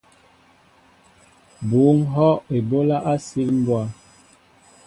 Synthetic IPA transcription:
bu˨˦ŋɦɔ˦e˨bo˦la˦ʔa˦si˦lm̩˦bwa˦

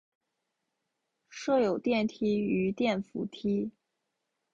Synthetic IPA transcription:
ʂɤ˥˩jo˨˩ʊt̪jɛ˥˩nt̪ʰi˥y˧˥t̪jɛ˥˩nfṵ˧˥t̪ʰi˥

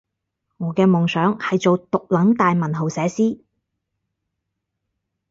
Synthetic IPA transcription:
ŋɔː˨˧˥kɛː˧mɔː˨˩ŋsœː˨˥ŋhɐ˨jt͡so˨wt̪ʊ˨k̚lɐ˨˥ŋt̪aː˨jmɐ˨˩nɦo˨wsɛː˨˥siː˥

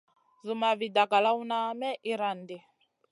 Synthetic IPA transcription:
zu˨ma˨βi˨da˨ka˨la˦u˦na˦mɛ˦ʔi˦ɾa˨ndi˨

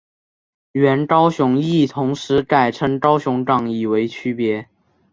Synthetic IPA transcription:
ɥɛ˧˥nkɑ˥ʊɕʊ˧˥ŋi˥˩t̪ʰʊ˧˥ŋʂɻ̩˧˥ka˥˩ɪʈ͡ʂʰɤ˧˥ŋʈ͡ʂɑ˥ʊɕʊ˧˥ŋʈ͡ʂɑ˥˩ŋi˥˩we˧˥ɪt͡ɕʰy˥pjɛ˧˥

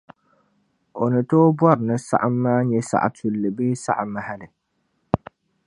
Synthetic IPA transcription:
o˨nɨ˨toː˦bɔ˦ɾnɨ˦sa̰˦ʔa˦mː˦aː˦ɲɛ˦sa̰˨ʔa̰˨tʰu˨lːɨ˨beː˦sa̰˦ʔa˨ma˦ha˦nɨ˨

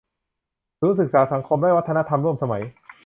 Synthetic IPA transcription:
suː˨˦˥nsɯ˨˩k̚saː˩˦sa˩˦ŋkʰo˧mdaː˥˩jwa˦˥t̪ʰːa˧na˦˥t̪ʰa˧mɾu˥˩əmsa˧ma˩˦j

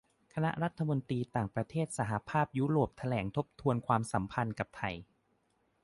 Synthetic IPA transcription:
kʰa˧na˦˥ʔɾa˦˥t̪ʰːa˧mo˧nt̪iː˧t̪aː˨˩ŋpɾa˧t̪ʰeː˥˩t̪̚sa˩˦ɦa˧pʰaː˥˩p̚juː˦˥ɾoː˨˩p̚t̪ʰa˧lɛː˩˦ŋt̪ʰo˦˥p̚t̪ʰu˧ənkʰwaː˧msa˩˦mpʰa˧nka˨˩p̚t̪ʰa˨˩j

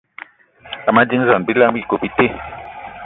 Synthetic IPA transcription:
a˨ma˦d͡ʒi˦n˦za˨n˨bi˦la˦ŋ˦bi˦˨ko˨bi˦te˦

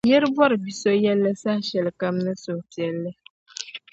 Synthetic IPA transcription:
je˦ɾbwɔ˦ɾbi˨so˦jɛ˦lːɛ˦sa˦ʃɛ˨lka˦mnɛ˦so˨tjɛ˨lːɛ˦

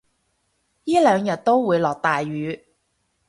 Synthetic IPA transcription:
jiː˥lœː˨˧ŋjɐ˨t̚t̪o˥wwuː˨˧jlɔː˨k̚t̪aː˨jɥyː˨˧

